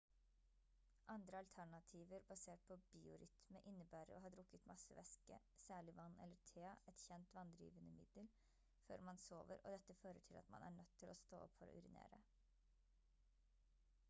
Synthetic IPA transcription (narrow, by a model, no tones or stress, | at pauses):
ʔɑnd̪ɾəɑlt̪ʰæɳɑt̪ʰiːʋəɾbɑseːʈ̚pʰɔbiːʊɾʏt̪məʔɪnːəbæːɾəɾo̰ːhɑːd̪ɾʊkːət̪mɑsəʋɛskə̰ | sæːɭɪʋɑnːʔɛlːəʈʰeːɑɛt̪çɛnt̪ʋɑnd̪ɾḭːʋənəmɪd̪əl | fø̰ːɾmɑnsoːʋəɾɔ̰d̪ɛt̪ːəføːɾəʈʰɪlʔɑ̰t̪mɑ̰nʔæ̰ɳœt̪ʰːɪlɔst̪oːɔpfɔɾɔ̰ʔʉɾɪnḛːɾə̰